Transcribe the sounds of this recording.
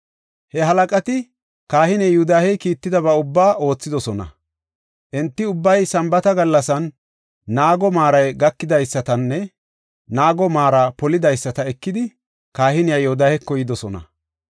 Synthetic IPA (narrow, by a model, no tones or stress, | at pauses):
hɛɦɐlɐkʼɐt̪ɪ | kaːhɪnɛjud̪aːhɛjkiːt̪ːɪd̪ɐβɐʊbːaːʔo̞ːt͡sːɪd̪ɔsɔnɐ̰ | ʔɛnt̪ːɪʊbːɐjsɐmbɐt̪ɐɡɐlːɐsɐnː | aːɡɔmaːɾɐjɡɐkːɪd̪ɐjsːɐt̪ɐnːɛ | naːɡɔmaːɾɐpɔlɪd̪ɐjsːɐt̪ɐɛkːɪd̪ɪ | kaːhɪnɪjajud̪aːhɛkːɔjɪd̪ɔsɔnɐ̰